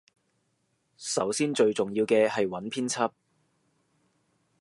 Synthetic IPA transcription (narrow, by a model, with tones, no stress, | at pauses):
sɐ̰˨˥wsiː˥nt͡ʃɵ˧ɥt͡sʊ˨ŋjiː˧wkɛː˧hɐ˨jwɐ˨˥npʰiː˥nt͡sʰɐ˥p̚